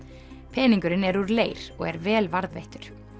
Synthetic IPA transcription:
pʰɛːniŋkʏɾɪnɛɾuɾleːjɾ̥ɔ̰ɣɛ̰ɾvɛːlvaɾðvḛjht̪ʏɾ̥

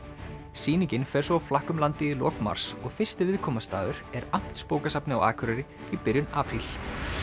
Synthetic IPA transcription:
siːnicɪnfɛːɾ̥soawflahkʏmlant̪ɪilɔ̰ːkma̰ɾ̥sɔɣfɪr̥st̪ɪvɪðkʰɔːmast̪a̰ːðʏɾ̥ɛɾam̥t̪spoːwkasapnɪa̰wa̰ːkʰʏɾɪɾɪ | ipɪɾjʏnaːpʰɾil̥

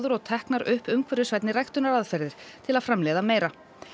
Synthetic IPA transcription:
ðʏɾɔɣt̪ʰɛhknaɾʏhpʏmkʰvœɾɪsvɛjt̪nɪɾrajxt̪ʏnaɾaðfɛɾðɪɾ̥t̪ʰɪlaðfɾamlɛːðameːjɾa

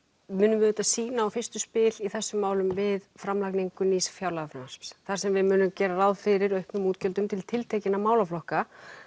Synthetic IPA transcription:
mʏːnʏmvɪðʏːt̪ːasiːnaːwfɪrst̪ʏspɪliθɛsːʏmːaːwlʏmvɪðfɾamlakniŋkʏniːsfjaːwlaɣafɾanspsθaɾsɛmvɪðmʏːnʏmcɛːɾarawðfɪɾɪɾœɥhpnʏmuːt̪cœlt̪ʏmt̪ʰɪlt̪ʰɪlt̪ʰeːjcɪnamaːwlaflɔhka

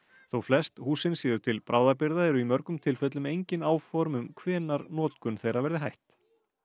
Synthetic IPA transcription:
θowflɛst̪huːsɪnsiːðʏt̪ʰɪlpɾʔaːwðapɪɾðaðɛɾʏimœɾkʏmt̪ʰɪlfœt̪lʏmejɲcɪnaːwfɔɾmʏmkʰvɛːnaɾnɔːt̪kʏnθejɾaɾvɛɾðɪɦajht̪

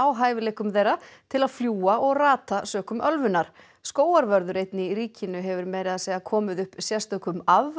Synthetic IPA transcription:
awɦaːjvɪleːhkʏmθejrat̪ʰɪlaðfljuːaʔɔɣraːt̪asœːkʏmʔœlvʏnːaɾ̥ | skoːwaɾvœɾðʏɾejt̪nɪiriːcɪnʏɦɛvʏɾmɛɾɪðasɛːɣakʰɔːmɪðʏhpsjɛst̪œkʏmav

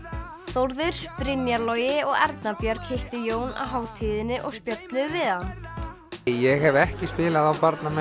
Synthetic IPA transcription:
θowɾðʏɾ̥pɾɪnjalɔjɪɔɣɛɾt̪napjœɾ̥khɪht̪ɪjoːwna̰wɦaːwt̪ʰiːðɪnɪʔɔɣspjœt̪lʏvɪðan | jɛɣhɛvɛhcɪspɪːlaðawpaɾt̪namɛ

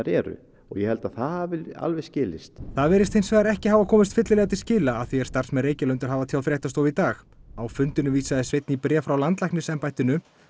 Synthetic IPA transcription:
aɾɛ̰ːɾʏ̰ | ɔɣjɛhɛlt̪aðθavɪla̰lvɛscɪːlɪst̪θaðvɛːɾɪst̪hejnsvɛːðaɾɛhcɪɦaːvakʰɔːmɪst̪fɪt̪lɪlɛːɣat̪ɪscɪːlaːðθiɛ̥st̪ar̥smɛðreːjcɪlœɥnt̪ʏɾɦaːvaðt̪ʰaw̪fɾɛht̪ast̪owvit̪aːx | awfʏnt̪ɪnʏviːsaðɪsvejt̪nipɾɛːfɾawlant̪lajknɪsɛmpajht̪ɪnʏ

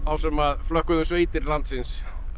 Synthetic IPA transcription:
θawsɛmaðflœhkʏðʏsveːjt̪ɪɾlant̪sɪns

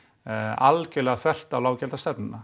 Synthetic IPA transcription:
alcɛlɛɣaθvɛr̥t̪awlaːwcɛlt̪ast̪ɛpnɪna

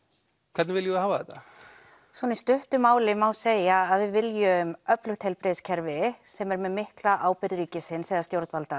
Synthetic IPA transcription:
kʰvɛt̪nɪvɪljʏhaːvaðɛt̪a | svɔnɪst̪ʏht̪ʏmaːwlɪmawseːjaaðvɪðvɪljʏmœplʏxt̪hejlpɾɪðscʰɛɾvɪsɛmɛɾmɛðmɪhklaʔaːwpɪɾɾiːcɪsɪnːsɛːɣðast̪jowɾt̪valt̪a

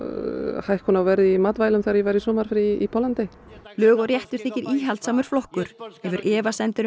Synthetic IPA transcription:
hajhkʰɔnavɛɾɪimat̪vaːjlʏmθeaɾjɛvajɾisɔːmaɾ̥fɾɪipʰɔlant̪ej | lœːɣɔɾjɛht̪ʏɾ̥θɪcɪɾʔiːɦalt̪saːmʏɾ̥flɔhkʏɾ̥ɛvʏɾʔɛːvasɛnt̪ʏɾ

